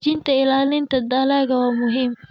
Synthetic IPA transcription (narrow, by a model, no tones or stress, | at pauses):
d͡ʒɪntaʔɪlaːlɪntadaːlaɡawamʊɦɪm